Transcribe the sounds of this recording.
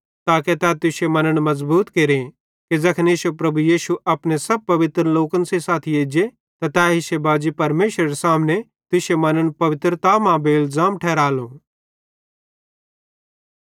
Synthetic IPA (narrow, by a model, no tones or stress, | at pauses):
t̪aːket̪ɛːt̪ʊʃemɐnəɽ̃mɐzbuːt̪keɾẽ | kezɐkʰneːʃopɾɐbujiːʃuʔɐpnesɐb̚pɐʋɪt̪ɾloːkənsesaːt̪ʰijeːd͡ʒe | t̪at̪ɛːɦiʃebaːd͡ʒipɐɾmeːʃɾɐɾesaːmne | t̪ʊʃemɐnəɽ̃pɐʋɪt̪ɾt̪aːmãbeɪlzaːmʈʰɛːɾaːlõː